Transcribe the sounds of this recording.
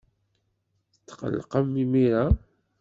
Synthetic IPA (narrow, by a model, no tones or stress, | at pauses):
θət̪ːqə̰lːqəmːimiɾa